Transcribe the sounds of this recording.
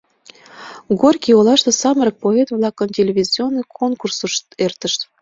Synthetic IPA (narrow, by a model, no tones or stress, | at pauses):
ɡorkʲiolɑʃt̪ɤ̆sɑməɾə̆k̚poet̪vlɑkə̆mtʲelʲeβʲizʲionːɨjkʰonkursuʃt̪ert̪ə̆ʃt̪